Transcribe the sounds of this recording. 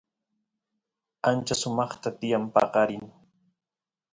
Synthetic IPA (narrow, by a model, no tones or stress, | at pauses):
ant͡ʃasʊmɑχt̪at̪ɪjampɑ̰qɑɾɪŋ